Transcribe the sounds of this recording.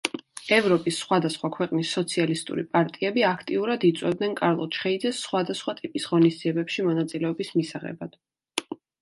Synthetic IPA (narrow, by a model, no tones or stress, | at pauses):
ɛvɾɔpʼisːχwad̪asχwakʰwɛqʼnisːɔt̪sʰialist̪ʼṵɾḭpʼaɾt̪ʼiɛbiakʰt̪ʼiuɾad̪it̪sʼwɛbd̪nɛnkʼaɾlˠɔt͡ʃʰχɛid̪zɛsːχwad̪asχwat̪ʼipʼisʁɔnisd̪ziɛbɛpʃimɔnat̪sʼilɛɔbismisaʁɛ̰bad̪̥